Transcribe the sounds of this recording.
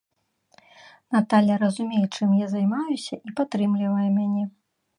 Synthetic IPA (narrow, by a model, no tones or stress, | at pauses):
nat̪alʲɐɾɐzumʲejɛt͡ʂɨmjazajmajusʲɐʔipat̪ːɾɨmlʲivɐjumʲanʲɛ